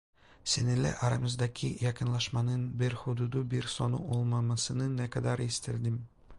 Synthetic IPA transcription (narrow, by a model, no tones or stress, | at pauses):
senɘlæ̰ʔɑɾɑ̰mɤzd̪ɑkʰijɑqɤ̆nlˠɑʃmɑnɤnbɘɾχud̪ud̪ubiɾsonṵʔolˠmɑmɤsɤ̆nɤnækɑd̪ɑɾist̪ɘ̆ld̪ɘm